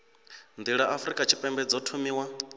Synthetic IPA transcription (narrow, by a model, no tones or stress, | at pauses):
nd̪iɺaʔafɾikʼat͡ʃʰi̥pʼɛmbɛd͡zɔtʰumiːwa